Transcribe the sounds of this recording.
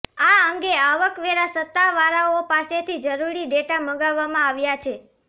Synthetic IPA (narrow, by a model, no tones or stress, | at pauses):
aəŋɡeaʋəkʋeɾasət̪ːaʋaɾaopaset̪ʰid͡ʒəɾuɾiɖeʈaməɡaʋːamãaʋjat͡ʃʰe